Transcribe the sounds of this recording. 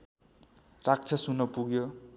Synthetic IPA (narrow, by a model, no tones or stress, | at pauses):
rak̚t͡sʰʌsunʌpuɡjo